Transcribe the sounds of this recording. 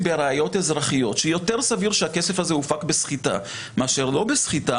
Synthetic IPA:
beʁaːjo̞te̞zʁaχijo̞t̪ʃejo̞te̞ʁsaviʁʃeake̞se̞fazeufakbesχita̰ | meaʃe̞ʁlo̞besχita

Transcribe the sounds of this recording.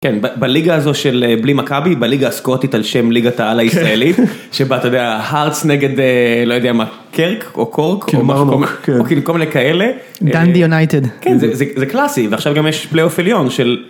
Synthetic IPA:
kenbabaliɡaːzo̞ʃeleblimakabibaliɡaːskot̪it̪alʃemliɡat̪aalaisʁaelit̪ | ʃebat̪ajodeahaʁsneɡe̞d̪elojo̞d̪eama | kʰeʁkʰokʰoʁkʰomaookikolminekaele̞ | dandijunajt̪ed̪kenzezezeklasiveaχʃavɡamjeʃpleofiljo̞nʃe̞l

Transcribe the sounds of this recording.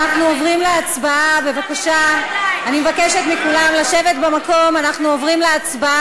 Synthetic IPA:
naχnuovʁimleat͡sbaabe̞vakaʃaanimevakeʃet̪mikulamlaʃe̞ve̞t̪bemako̞manaχnuovʁimleat͡sbaa

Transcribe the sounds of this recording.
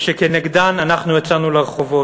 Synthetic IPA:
ʃekeneɡd̪ananaχnujat͡sanuleʁeχovo̞

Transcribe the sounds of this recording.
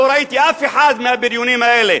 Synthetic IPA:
wɾˤɑʔajt̪iʔafiħaːd̪mabɪɾjuːniːmaeːle

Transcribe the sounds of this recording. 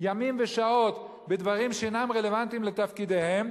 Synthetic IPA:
jamimveʃao̞t̪ | bed̪vaʁimʃeenamʁe̞le̞vant̪imlet̪afkid̪e̞he̞m

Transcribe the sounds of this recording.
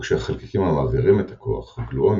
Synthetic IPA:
kʃeaχalkikimamaziʁimet̪ḁkʰo̰a̰χɡloom

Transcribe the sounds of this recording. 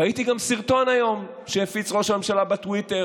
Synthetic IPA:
aitiɡamsiʁt̪o̞najo̞m | ʃehefit͡sʁo̞ʃame̞mʃalabetwite

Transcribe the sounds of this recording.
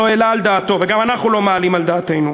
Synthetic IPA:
oelaːld̪aːt̪o̞veɡamanaχnulo̞maːlimald̪aːt̪e̞jnu

